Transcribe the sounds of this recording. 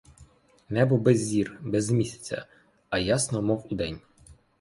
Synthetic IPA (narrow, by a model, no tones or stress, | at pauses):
nɛbʊbɛzʲːirbɛzmʲisʲɐ̥t͡sʲɐ̰ | ɐjasnɔmɔwʊd̪ɛnʲ